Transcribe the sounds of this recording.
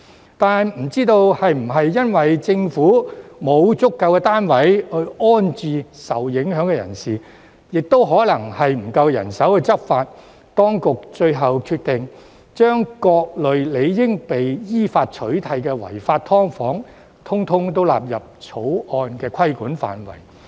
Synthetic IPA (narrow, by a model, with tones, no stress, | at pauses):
t̪aː˨nm̩˨˩t͡siː˥t̪o˧whɐ˨jm̩˨˩ɦɐ˨jːɐ˥nwɐ˨jt͡sɪ˧ŋfuː˨˥mo˨˧wt͡sʊ˥kːɐ˧wkɛː˧t̪aː˥nwɐ˨˥jhɵ˧ɥɔː˥nt͡syː˨˧sɐ̰˨wjɪ˨˥ŋɦœː˨˥ŋkɛː˧jɐ̰˨˩nsiː˨ | jɪ˨k̚t̪o˥wɦɔː˨˥lɐ˨˩ŋhɐ˨jm̩˨˩kɐ˧wjɐ̰˨˩nsɐ˨˥wkɛ˧t͡sɐ˥p̚faː˧t̚ | t̪ɔː˥ŋkʊ˨k̚t͡ʃɵ˧ɥɦɐ˨wkʰyː˧t̪ɪ˨ŋ | t͡ʃœː˥ŋkɔː˧k̚lɵ˨ɥle˨˧jjɪ˥ŋpe˨jjiː˥faː˧t̚t͡ʃʰɵ˨˥ɥt̪ʰɐ˨jkɛː˧wɐ̰˨˩jfaː˧t̚t̪ʰɔː˥ŋfɔː˨˥ŋ | t̪ʰʊ˥ŋt̪ʰʊ˥ŋt̪o˥wla̰ː˨p̬̚jɐ˨p̚t͡ʃʰo˨˥wʔɔː˧nkɛː˧kʰɐ˥jkuː˨˥nfa̰ː˨nwɐ̰˨˩j